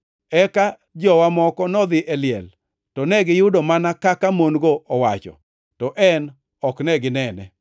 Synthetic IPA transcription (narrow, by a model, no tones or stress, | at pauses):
ɛka | d͡ʒɔwamɔkɔnɔd̪ɪʔɛlɪɛ̰l | tɔnɛɡɪjʊdɔmanakakamonɡoʔɔwat͡ʃɔ̰ | tɔʔɛn | ɔknɛɡɪnɛnɛ̰